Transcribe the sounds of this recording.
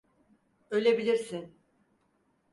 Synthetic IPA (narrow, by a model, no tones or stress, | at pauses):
ølʲebilʲiɾsin